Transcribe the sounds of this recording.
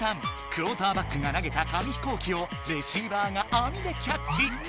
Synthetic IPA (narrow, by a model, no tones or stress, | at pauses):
ãŋ | kɯ̟ɾoːt̪aːbakːɯɡanaɡe̞t̪akamʲiçi̥ko̞ːkʲio̞ɾe̞ɕiːbaːŋaʔamʲid̪e̞kʲakt͡ɕi